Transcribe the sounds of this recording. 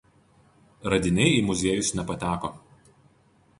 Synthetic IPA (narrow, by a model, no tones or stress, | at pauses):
ɾɐd̪ʲɪnʲɛɪiːˑmʊzʲeɛjʊsnʲɛpɐt̪ʲæːkoː